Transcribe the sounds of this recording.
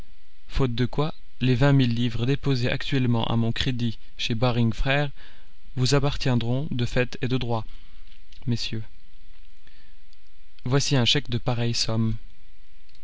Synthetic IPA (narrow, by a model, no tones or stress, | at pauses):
fot̪̚d̪əkwa | levɛ̃milːivʁəd̪epozeʔa̰kt̪ɥɛlmɑ̃ʔa̰mɔ̃kχed̪i | ʃebaʁiŋfχɛːʁ | vuzapaʁt̪jɛ̃d̪ʁɔ̃d̪əfɛt̪ed̪əd̪ʁwa | mesjø | vwasiɛ̃ʃɛkd̪əpaʁɛjsɔm